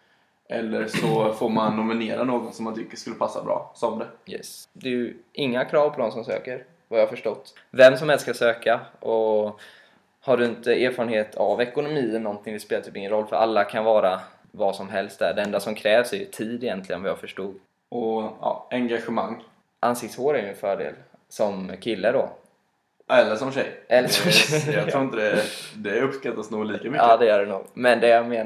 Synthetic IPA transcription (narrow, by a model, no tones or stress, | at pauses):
ʔɛlːəɾʂɔfoɾmanːʊmɪneːɾanoːɡɔnsɔmːant̪ʰʏkːəʂkɵlːəpʰasːa̰bɾɑ̰ːsɔmd̪ɛjɛ̰sd̪ɛjɵʔɪŋːakʰɾɑːvpʰɔd̪ɔmsɔmsø̰ːkəɾ | vajaːafœʂʈɔt̪ː | vɛmːsɔmhɛlst̪skasøːkaʔɔ | haɖɵɪnt̪əeːɾfɑːɾənheːt̪ʰavɛkʊnʊmiːɛnɔnt̪ʰɪŋvɪspeːlaɾt̪ʰyːpɪŋːənɾɔlːfœɾʔa̰lːakʰanvɑːɾa | vɑsɔmɦɛlst̪̚d̪æ̰ɖɛɛnd̪asɔmkʰɾɛːvsæjɵ̰t̪ʰiːd̪ɪjɛnt̪lɪɡə̰nvɪjaɡfœʂʈuːɡ̪ | ɔɑ̰ːɛŋɡaɧɛmaŋː | ʔansɪk̚t̪shoːɾæɾjnfœːɖḛːl | sɔmkʰɪlːəɖɔ̰ | ɛlːəʂɔmɕɛjʔɛlːəʂɔmɕɛjjt̪ɾuːɪnt̪əd̪ɛd̪ɛɵpskat̪ːat̪snuːɡliːkamʏd̪ɛjœːɖɛnṵːɡmɛnd̪ɛjameː